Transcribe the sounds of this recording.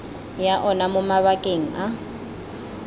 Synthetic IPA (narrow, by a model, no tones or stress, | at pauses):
jaʔɔnamʊmaβakʼeŋ̩a